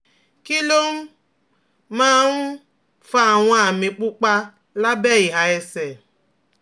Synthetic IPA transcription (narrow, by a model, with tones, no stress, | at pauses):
ki˦lo˦m̩˦ | mãː˦n̩˦ | fa˧˦a˨w̃ɔ̃˧a˨mĩ˨k͡pu˦k͡pa˧ | la˦bɛ˦˨i˨ɦa˨ɛ˧sɛ˨